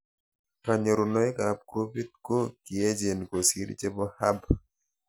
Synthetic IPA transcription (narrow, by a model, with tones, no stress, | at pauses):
ka˨ɲo˨ɾʊ˨nɔ˨˦e˦ka˨b̚ko˦fi˦t̚ko˦ki˨e˦d͡ʒe˨nko˨sḭ˦ɾ̰t͡ʃe˦bɔ˦ha˦b